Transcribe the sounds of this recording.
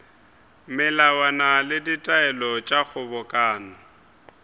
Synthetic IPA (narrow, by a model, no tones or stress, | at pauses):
mɪlawanalɪditʼaɛlɔt͡ʃʼak͡xʰʊbɔkʼaːnɔ